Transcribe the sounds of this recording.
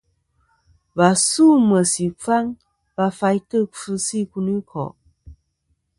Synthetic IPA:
ba˨su˦˨mə˨si˨fa˦ŋ | ba˧fa˧jtə˦˨fɨ˧˦si˦˨ku˧ni˦kʰɔ̰˨ʔ

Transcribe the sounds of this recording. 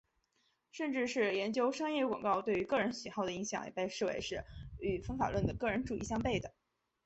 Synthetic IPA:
ʂə˥˧nʈ͡ʂɻ̩˥˧ʂɻ̩˥˩jɛ˧˥nt͡ɕjo˥ʊʂɑ˥ŋjɛ˥˩kwɑ̰˨˩ŋkɑ˥˧ʊt̪we˥˩ɪy˧˥kɤ˥˩ɻə˧˥nɕi˨˩xɑ˥˩ʊd̪ə˩i˧˥ŋɕjɑ̰˨˩ŋjɛ̰˨˩pe˥˧ɪʂɻ̩˥˩wḛ˧˥ɪʂɻ̩˥˩y˨˩fɤ˥ŋfa̰˨˩lwə˥˩nd̪ə˩kɤ˥˩ɻə˧˥nʈ͡ʂu˨˩i˥˩ɕjɑ˥ŋpe˥˩ɪd̪ə˩

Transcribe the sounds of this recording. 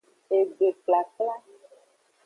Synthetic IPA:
e˨ɡ͡be˨kla˨kla˦

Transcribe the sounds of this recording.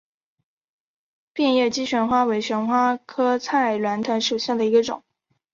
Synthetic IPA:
pi˥˧njɛ˥˩t͡ɕi˥ɕɥɛ˧˥nxwa˥we˧˥ɪɕɥɛ˧˥nxwa˥kʰɤ˥t͡sʰa˥a˨˩ɪlwa˧˥nt̪ʰɤ˧˥nʂu˨˩ɕja˥˩d̪ə˩i˧˥ɡə˧ʈ͡ʂʊ̰˨˩˦ŋ

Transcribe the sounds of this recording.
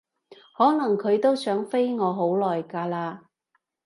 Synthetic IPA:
hɔː˨˥nɐ˨˩ŋkʰɵ˨˧ɥt̪o˥wsœː˨˥ŋfe˥jŋɔː˨˧ɦo˨˥wlɔː˨˩jkaː˧laː˧

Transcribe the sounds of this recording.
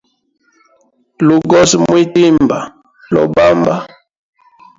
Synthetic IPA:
lu˨ɡɔ˦smwi˦ti˦mba˨ | lɔ̰˨ba˦mba˦

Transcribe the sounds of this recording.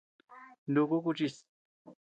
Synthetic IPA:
ndu˨ku˦k̬u˦t͡ʃi˦˨s

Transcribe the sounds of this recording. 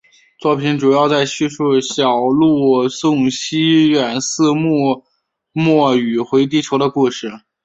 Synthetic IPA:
t͡swɔ˥˩pʰi˧˥nʈ͡ʂu˨˩jɑ˥˧ʊt͡sa˥˧ɪɕy˥˧ʂu˥˩ɕjɑ˨˩ʊlu˥˩sʊ˥˩ŋɕi˥ɥɛ˨˩nsɹ̩˥˧m˥˧ | mwɔ˥˩y˨˩xwe˧˥ɪt̪̬i˥˧ʈ͡ʂʰɤ˧˥ʊɾə˧ku˥˧ʂɻ̩˥˩

